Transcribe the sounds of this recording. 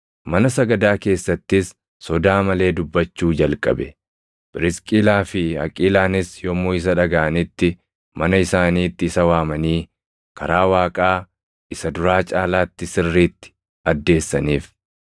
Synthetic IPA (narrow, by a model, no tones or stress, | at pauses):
mɐnɐsɐɡɐd̪aːke̞ːsːɐt̪ːɪsː | ɔd̪aːmɐle̞ːd̪ʊbːɐt͡ʃːuːd͡ʒɐlkʼɐ̰bɛ̰ | b̥ɪɾɪskʼiːlaːfɪɐ̰kʼiːlaːnɪsjɔmːoːɪs̬ɐᶑɐɡɐʔɐnɪt̪ːɪ | mɐnɐɪsaːniːt̪ːɪːsɐwaːmɐniː | kʰɐɾaːwaːkʼaː | ɪsɐd̪ʊɾaːt͡ʃʼaːlaːt̪ːɪsɪrːiːt̪ːɪ̥ | ɐd̪ːe̞ːsːɐniːf